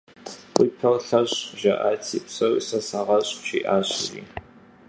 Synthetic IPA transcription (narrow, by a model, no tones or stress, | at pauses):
qʷʼiːpʰɐlɬɐɕʒɐʔa̰ːt͡sʰiːpsɐwḭsɐsaːʁɐɕʼɕḭːʔaːɕʼrḭː